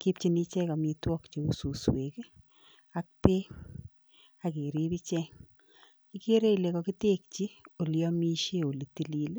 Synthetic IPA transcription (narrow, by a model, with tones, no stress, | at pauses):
ki˦p̚t͡ʃi˦ni˦t͡ʃɛ˦ka˨mi˨˧twɔ˦kt͡ʃe˨u˦su˨swe˨k | a˦k̚pe˦ | ake˨ɾi˦bi˦t͡ʃɛŋ | i˦ke˦ɾe˦ile˨kɔ˧ki˦te˦k̚t͡ʃi˦o˨ljɔ˦mi˦ʃe˦o˨li˨ti˦li˦l